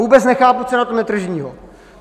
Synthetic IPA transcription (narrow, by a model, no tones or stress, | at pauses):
uːbɛt͡snɛxaːput͡sɛnat̪onɛt̪r̩ʒɲiːɦo